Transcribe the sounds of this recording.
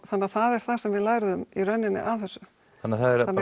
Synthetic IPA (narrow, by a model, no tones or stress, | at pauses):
θanːaθaðɛɾ̥θasɛmvɪðlaːjɾðʏmirœnːɪnːɪ̰ʔavθɛsːʏ | anːaθaðɛɾan